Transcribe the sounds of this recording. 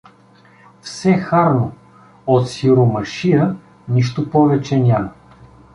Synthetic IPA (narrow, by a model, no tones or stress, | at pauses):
fsɛxaɾno | ot̪siɾomɐʃijə | niʃt̪opɔvɛt͡ʃɛnʲamə